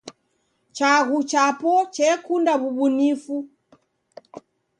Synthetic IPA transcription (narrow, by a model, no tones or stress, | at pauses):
t͡ʃaɣut͡ʃapɔt͡ʃɛkundaβubunifu